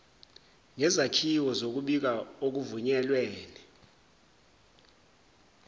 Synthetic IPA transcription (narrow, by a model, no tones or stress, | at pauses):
ŋɛzakʰiwɔzok̬uɓik̬aok̬uvuɲɛlweːni